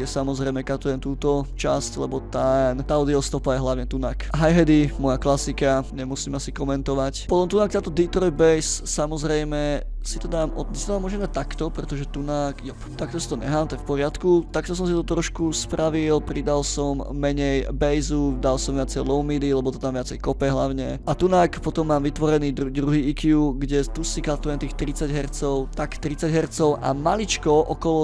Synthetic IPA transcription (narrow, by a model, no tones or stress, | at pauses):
jɛsamɔzɾɛjmɛkat̪ɔjɛnt̪uːt̪ɔt͡ʃasclɛbɔt̪ɛnt̪aɔd̪iɔst̪ɔpajɛɦlaʊɲɛt̪unakɦajɦɛd̪imɔjaklasikaɲɛmusiːmasikɔmɛnt̪ɔʋacpɔt̪ɔmt̪unak̚t̪aːt̪ɔd̪it̪ɾɔjbɛjssamɔzɾɛjmɛsit̪ɔd̪aːmɔɲɛst̪d̪aːmɔʒɛnat̪akt̪ɔpɾɛt̪ɔʒɛt̪unakjɔpt̪ak̚t̪ɔsi̥t̪ɔɲɛ̰ɦaːmt̪ɛfpɔɾɪat̪kut̪ak̚t̪ɔs̬ɔmsit̪ɔt̪ɾɔʃkuspɾaʋilpɾid̪alsɔmːɛɲɛjbɛjzud̪alsɔmʋɪat͡sɛjlɔʊmid̪ilɛbɔt̪ɔ̥t̪amʋɪat͡sɛjkɔpɛɦlaʊɲɛʔat̪unaːkpɔt̪ɔmːaːmʋit̪ʋɔɾɛniːd̪d̪ɾuɦiːikɪuɡɟɛt̪usikat̪ɔɛnt̪iːxt̪ɾit͡saɟɦɛrt͡sɔʊt̪akt̪ɾit͡saɟɦɛɾt͡sɔʊʔa̰malit͡ʃkɔʔɔkɔlɔ